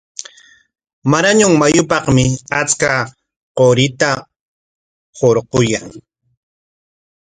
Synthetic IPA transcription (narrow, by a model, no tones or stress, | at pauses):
maɾaɲʊŋmajʊpɑχmɪat͡ska | qoɾɪt̪a | hoɾqʊjaŋ